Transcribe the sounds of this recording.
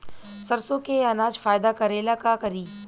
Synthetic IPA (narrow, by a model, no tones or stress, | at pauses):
sɐɾsõkeɐnaːd͡ʒfaːjd̪akɐɾeːlakakɐɾiː